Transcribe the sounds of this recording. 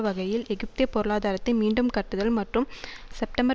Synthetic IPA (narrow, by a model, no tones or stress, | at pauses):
ʋɐɣɐjɪlɛɣɪp̚t̪ɪjɐpːɔɾɯɭaːðaːɾɐt̪ːɪnmiːɳɖɯmkɐʈːɯðɐlmɐʈrɯmsɛp̚ʈɐmbɐ